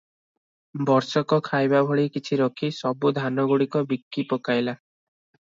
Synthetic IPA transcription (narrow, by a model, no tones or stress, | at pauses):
bɔɾsɔkɔkʰajbabʱɔɭikit͡ʃʰiɾɔkʰisɔbud̪ʱanɔɡuɽikɔbikːipɔkajla